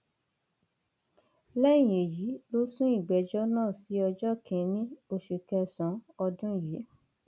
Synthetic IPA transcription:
lɛ̃˦˨e˨ji˨˦lo˦sũ˦i˦˨ɡ͡bɛ˨d͡ʒɔ˦nãː˦˨si˨˦ɔ˧d͡ʒɔ˦kʰĩ˨˧˦nĩ˦o˧ʃe˨kɛ˧sɔ̃˨˦ɔ˧dũ˦˨je˨˦

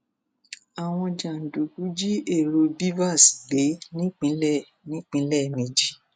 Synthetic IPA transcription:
a˨w̃ɔ̃˧d͡ʒa˨n̩˨do˨ku˨˦d͡ʒi˦ʔe˦˨ɾo˧bi˦va˦˨sɡ͡be˨˦nĩ˦k͡pĩ˨˦lɛ˦˨ | nĩ˨˦k͡pĩ˦lɛ˦˨mẽ˧d͡ʒi˦

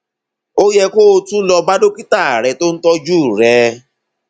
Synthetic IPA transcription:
o˦jɛ˧ko˦˧tũ˦lɔ˧ba˦do˦ki˦ta˦˨a˨ɾɛ˧to˦n̩˦tɔ˦d͡ʒu˦˨ɾɛ˧

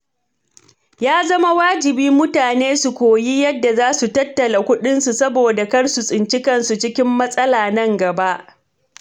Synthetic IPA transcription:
jaː˦zɐ˦ma˦waː˦d͡ʒɪ˨biː˦mʊ˦taː˨neː˦su˨kʷoː˨ji˦jɐ˦dːa˨zaː˦su˨tɐ˦tːɐ˨la˨kʷʊ˦ɗɪ˦nsu˨sɐ˦boː˨da˨kɐ˦rsu˨sʼɪ˨nt͡ʃɪ˦kɐ˦nsu˨t͡ʃɪ˦kʲɪ˦mːɐ˦sʼɐ˦laː˨nɐ˦ŋɡɐ˨ba˦ʔ

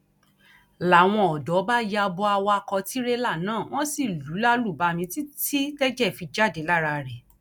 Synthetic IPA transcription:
la˨w̃ɔ̃˧ɔ˨dɔ˨˦ba˦ja˧bɔ˧a˧wkɔ˧ti˨˦ɾe˦la˦˨nãː˦˨w̃ɔ̃˦si˦˨lu˨˦la˦lu˦˨ba˨˧mĩ˧ti˦ti˦tɛ˦d͡ʒɛ˦˨fi˧d͡ʒa˦˨de˨˦la˦˨ɾa˧ɾɛ˨

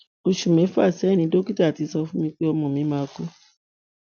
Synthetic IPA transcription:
o˧ʃu˨mɛ̃˨˦fa˦˨sɛ˨˦˨nĩ˧˦do˦ki˦ta˦˨ti˨˦sɔ˧fũ˦mĩ˧k͡pe˦ɔ˧mɔ̃˨mĩ˨˦mãː˧˦˧ku˦

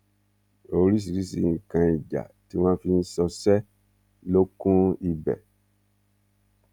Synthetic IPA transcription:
o˨˦ɾi˦s̬i˨ɾi˦si˨kã˧i˨d͡ʒa̰˨ti˦wã˦fĩ˦n̩˦sɔ˧sɛ˦ | lo˦kũ˦i˧bɛ̰˨

